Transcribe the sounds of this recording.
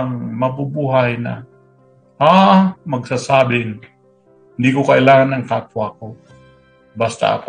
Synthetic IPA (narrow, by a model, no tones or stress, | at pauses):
ŋmɐbubuɦajna̰ | amɐɡsasaːbɪn | hɪnd̪ikokɐʔɪlaːŋanɐŋkapwako | bast̪a̰ʔɐ̰ko